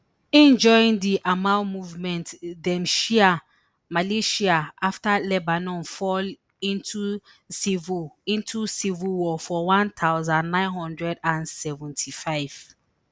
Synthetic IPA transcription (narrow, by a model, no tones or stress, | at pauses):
ɛ̃nd͡ʒɔĩŋdiʔamãtmuvmɛ̃ntdɛ̃mʃia | maleʃiaaftalɛbanɔ̃nfɔl | ĩntʰu | sivĩntʰusivuwɔfɔwãnt̪ʰaʊzãnːãɪ̃nɦɔ̃ndɹɛdãnsɛvɛ̃ntʰifaɪv̥